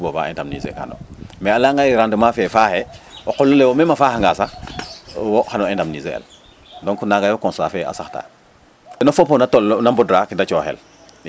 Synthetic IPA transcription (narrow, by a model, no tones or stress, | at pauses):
boba̰ḛndamnḭzḛka̰no̰mealaŋɡaiɾandumafɛfaːhɛokɔlːulewomemafaːhaŋɡasa | woxanoendamnizḛḛl | doŋkunaɡajokɔ̃nsa̰fea̰saxta̰ː | ɛnofopːonatolːnambodɾakidat͡ʃoxɛ̰l